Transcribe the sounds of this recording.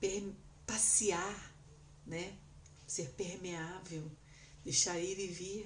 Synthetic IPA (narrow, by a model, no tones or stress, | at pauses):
pem | pasia | nɛ | seɾpehmeavew | d̪eʃaɾid̪ɪvi